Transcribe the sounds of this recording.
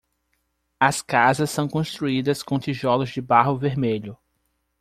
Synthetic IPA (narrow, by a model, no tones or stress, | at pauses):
ɐskazɐsːɐ̃w̃kõst̪ɾuid̪ɐskõt̪iʒɔlʊzd͡ʒɪbaɦʊveɾmeʎʊ